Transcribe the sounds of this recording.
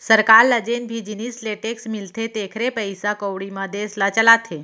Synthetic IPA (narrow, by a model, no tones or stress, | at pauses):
səɾkaɾləd͡ʑenbʱid͡ʑinisleʈeksmilt̪ʰet̪ekʰɾepəjsakəwɽiməd̪ʱeslət͡ɕəlat̪ʰe